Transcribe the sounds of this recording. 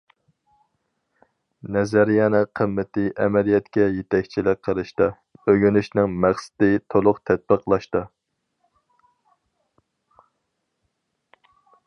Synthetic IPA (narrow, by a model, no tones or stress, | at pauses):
nɛzæɾjɑnɨqʰəmːɪt̪ʰɪʔɛmɛlijɛt̪kʲɛjet̪ʰɛkʲt͡ʃʰilɪk̚ʲqʰːəɾɨʃt̪ɨ | øɡʲynyʃnɪŋmæχsɪ̥d̪ɪt̪ʰolˠʊqt̪ʰɛt̪̚bəqʰlˠɑʃt̪ɨ